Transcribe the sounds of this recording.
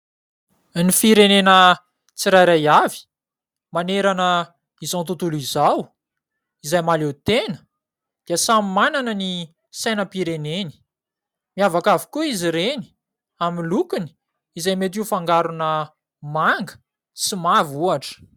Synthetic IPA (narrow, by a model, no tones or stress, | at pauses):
nifiɾenenə | t͡siɾajɾajavi̥ | maneɾanə | izawnt̪ut̪ulizaw | izajmalet̪enə̥ | d̪̥iəsamimananəni | sajnəpiɾeneni̥ | miavakavi̥kuiziɾeni̥ | amilukuni̥ | izajmet̪̬iufaŋɡaɾunə | maŋɡə̥ | simavuaʈ͡ʂə̥